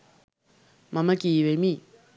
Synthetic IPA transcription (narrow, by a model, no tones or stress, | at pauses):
maməkiwemi